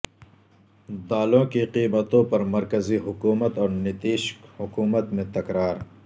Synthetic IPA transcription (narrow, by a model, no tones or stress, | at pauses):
d̪aːlõkiqiːbət̪õpɐɾmɐɾkɐziɦʊkuːmət̪ɔːɾnɪt̪iːʃkhʊkuːmət̪mẽt̪ɐkɾaːɾ